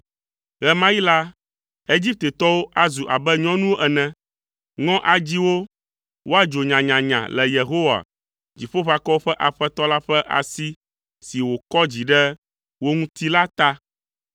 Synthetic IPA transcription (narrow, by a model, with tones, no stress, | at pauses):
ɣɛ˦mã˦ji˦la˦ | e˦d͡ʑi˦p̚t̪e˨t̪ɔ˦wo˦ʔa˦zu˨ʔa˨bɛ˦ɲɔ̃˦nũ˦wo˦ʔɛ˨nɛ̃˨ | ŋɔ̃˦ʔa˨d͡ʑi˦wo˦ | wo˦a˦d͡ʒo˨ɲã˨ɲã˨ɲã̰˨lɛ˨je˨ɦo˦wa̰˨ | d͡ʑi˨ɸo˦ɸa˨kɔ˦wo˦ɸɛ˦ʔa˨ɸɛ˦t̪ɔ˦la˦ɸɛ˦ʔa̰˨si˦ | si˨wo˨kɔ˦d͡ʑi˨ɖɛ˦ | wo˦ŋũ˦t̪i˦la˦t̪a˦